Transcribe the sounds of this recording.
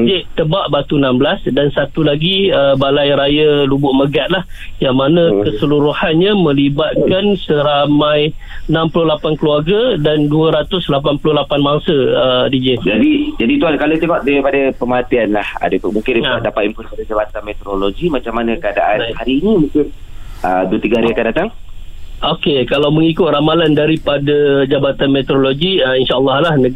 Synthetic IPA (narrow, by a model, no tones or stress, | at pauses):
id͡ʒet̪əbaʔbat̪unambəlasdansat̪ulaɡiəbalajɾajalubʊʔməɡat̪̚lah | jaŋmanãkəsəluɾuhanɲamə̃libat̪̚kansəɾamãj | ənãmpulʊhlapankəluarɡadanduəɾat̪ʊslapanpulʊhlapanbaŋsəədid͡ʒɪd͡ʒadid͡ʒadit̪uankalot̪eŋɔʔdaipadapəmat̪ianlaha̰damũŋkɪndjdapat̪̚impuipadad͡ʒabat̪anmet̪oɾoloɡimat͡ʃamːanəkada̰ʔanhaɾiːnimũŋkɪnəduət̪iɡahaɾiakandat̪aŋʔokekalawməŋikʊt̪̚ramalandaɾipadad͡ʒabat̪anmet̪ɾoloɡiəinʃalːɑɦlahnə